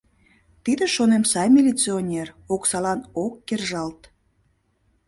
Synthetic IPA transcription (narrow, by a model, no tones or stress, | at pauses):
t̪id̪eʃonemsɑjmʲilʲit͡sionʲer | oksɑlɑnokːerʒɑlt̪